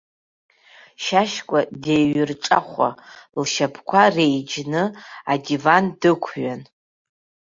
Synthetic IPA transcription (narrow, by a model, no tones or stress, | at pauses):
ʃaʃkʷʼadejɥʏrʈ͡ʂʼaχʷa̰lʃapʰkʷʰarejd͡ʒnɨadivandɨkʷʰɥan